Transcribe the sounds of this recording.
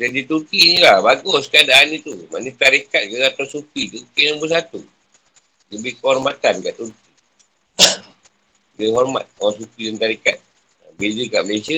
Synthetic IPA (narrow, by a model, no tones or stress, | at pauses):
d͡ʒadit̪ukiɲilahbaɡɔskadanit̪uma̰nit̪aɾikat̪̚kəat̪asupit̪ukinəbəs̬at̪u | ləbɪhkəɦɔrmat̪ankaʔt̪urki | dəɦɔrma̰t̪̚supidant̪aɾika̰t̪̚ | abed͡ʒəkaʔməlesia